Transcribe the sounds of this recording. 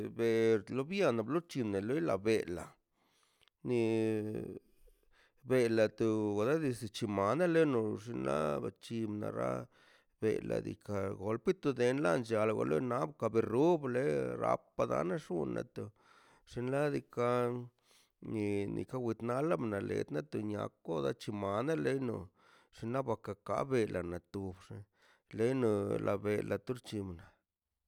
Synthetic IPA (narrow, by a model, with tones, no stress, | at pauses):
be˨ɾlo˦bja˦˧na˨blo˦t͡ʃi˧ne˨lo˦jla˨be˨la̰˨ | ni˧ | be˧˨la˨t̪o˧ɡa˨d̪a˦d̪i˧si˨t͡ʃi˧ma˨na˦le˦no˧ʐi˧nla̰˦ba˨t͡ʃi˧bna̰˨ɾa̰˦ | bḛ˨la̰˨d̪ḭ˨ka˧ɡo˨lpi˦t̪u˧d̪e˧nla̰˦nd͡ʒa˨la˨ɡo̰˧lo̰˦na˦bka˧be˧˨ɾu˦ble˦ɾa̰˧pːa˧d̪a̰˧˦na˦ʂu˦nːa̰˨t̪o˨ | ʂi˧nla˦d̪i˧ka˧ | ni˨nḭ˨ka˦wʷi˧t̪na˦la˦bna˨lḛ˨t̪na˦t̪o˨ɲa̰˨kːo˦d̪a˦t͡ʃi˧ma˨na˦le˦jno˨ | ʂi˧˦nla˦ba˧ka˨ka˦be˧lʔa˨na˨t̪u˨bʂi˧ | le˦jno˧lʔa˧be˨lʔa˨t̪u˦ɾt͡ʃi˧mna˨